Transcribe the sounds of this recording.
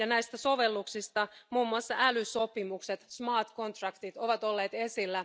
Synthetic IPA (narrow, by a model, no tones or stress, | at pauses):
jɑnæist̪æso̞ʋelːuksist̪ɑmuːmːuɑsːɑælyso̞pimukset̪smɑːt̪ko̞nt̪rɑkt̪it̪o̞ʋɑt̪o̞lːeːt̪esilːæ